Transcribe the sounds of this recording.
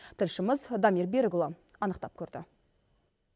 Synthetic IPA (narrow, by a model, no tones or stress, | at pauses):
t̪ʰɪlʃɪməzd̪amirbeɾɡlˠa | ɑnəqt̪ɑp̚kʲʰɵɾd̪ɪ̰